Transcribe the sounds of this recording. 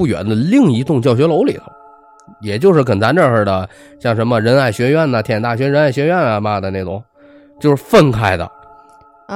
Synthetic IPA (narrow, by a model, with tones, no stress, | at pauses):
u˥˩ɥɛ̰˧˥nd̪ə˧li˥˧ŋi˧˥t̪ʊ˥˧ŋt͡ɕjɑ˥˩ʊɕɥɛ˧˥lo˧˥ʊlḭ˨˩d̪ə̰˦ | jɛ˨˩t͡ɕjo˥˧ʊʂɻ̩˥˩kə˨˩nt͡sa˧˥nʈ͡ʂə˥˧ʂə˞˥˩d̪ə˩ | ɕjɑ˥˩ŋʂə˧˥nmə˧ɻə˧˥na˥˩ɪɕɥɛ˧˥ɥɛ˥˩nə˩t̪ʰjɛ˨˩nt̪a˥˩ɕɥɛ˧˥ɻə˧˥na˥˩ɪɕɥɛ˧˥ɥɛ˥˩nə˧bɐ˧d̪ə˧ne˥˩ʈ͡ʂʊ̰˨˧˦ŋ | t͡ɕjo˥˧ʂɻ̩˥˧fə˥˧nkʰa˥˩ɪd̪ə̰˧